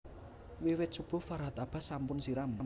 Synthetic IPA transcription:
wiwɪt̪̚sub̥ʊ̤faɾɦat̪ab̥a̤sampʊnsiɾama

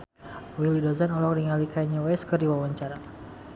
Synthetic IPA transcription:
wilidɔzanɔlɔk̚diŋalikajɲawɛskərdiwawaɲt͡ʃaɾa

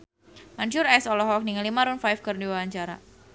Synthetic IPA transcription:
maɲt͡ʃʊɾɛsɔlɔɦɔk̚niŋalimaɾunfajfkərdiwawaɲt͡ʃaɾa̰

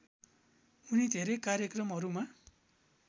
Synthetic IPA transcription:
unid̪ʱeɾekaɾjekrʌmɦʌɾuma

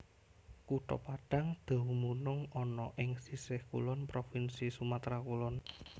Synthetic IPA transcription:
kuʈ̪ɔ̰paɖ̥a̤ŋd̪̥a̤wumunʊŋɔnɔʔɪŋsisɪhkṵlɔnpɾofinsisumat̪ɾakulɔn

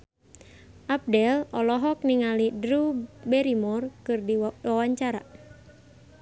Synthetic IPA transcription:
ʔap̚dɛlɔlɔɦɔk̚niŋalidɾubɛɾimɔrkɨrdiwawaɲt͡ʃaɾa

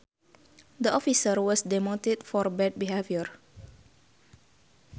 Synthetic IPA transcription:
d̪əɔfisərwɔsdɛmɔ̃nt̪idfɔrbɛd̚biɦeviər

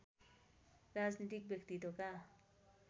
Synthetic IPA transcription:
rad͡znit̪ik̚bjek̚t̪it̪oka

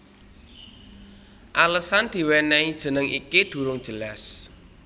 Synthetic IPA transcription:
ʔaləsand̪̥i̤wɛnɛid̥ʒ̥ə̤nəŋʔḭkid̪̥ṳɾʊŋd̥ʒ̥ə̤las

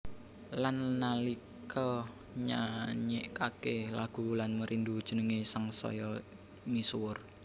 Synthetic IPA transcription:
lanːalikʰɔ | ɲaɲeʔkakelaɡ̥ulanməɾʔind̪ud̥ʒ̥ənəŋesaŋsɔ̰jɔ | misuwʊr

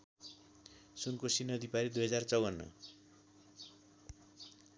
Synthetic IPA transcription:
sunkosinʌd̪ipaɾid̪ujɦʌd͡zart͡sʌwʌnːʌ̰

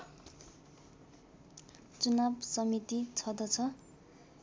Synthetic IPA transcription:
t͡sunabsʌmit̪it͡sʰʌd̪ʌt͡sʰʌ

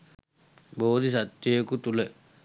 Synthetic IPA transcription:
bod̪isat̪ːjejkut̪ule

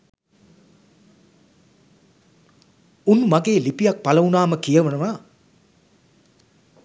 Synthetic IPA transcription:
unmaɡeːlipijak̚palɐunaːməkijəʋənəʋaː

